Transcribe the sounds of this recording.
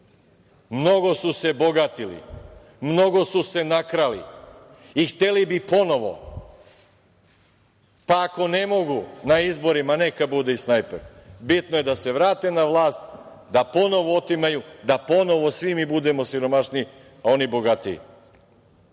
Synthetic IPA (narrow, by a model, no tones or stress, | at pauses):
mno̞ɡo̞suse̞bo̞ɡat̪ilḭ | mno̞ɡo̞suse̞nakɾalḭ | ixt̪e̞libipo̞no̞ʋo̞̰ | paːko̞ne̞mo̞ɡunaizbo̞ɾimane̞kabud̪eisnajpeɾbit̪noje̞d̪ase̞ʋɾaːt̪e̞naʋlˠaːst̪ | d̪apo̞no̞ʋoot̪imajud̪apo̞no̞ʋo̞sʋimibud̪e̞mo̞siɾo̞maʃni | ao̞nibo̞ɡat̪iḭ